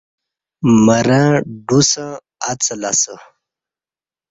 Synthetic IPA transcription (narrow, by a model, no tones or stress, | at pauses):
məɾaɖusə̃ | at͡səlasə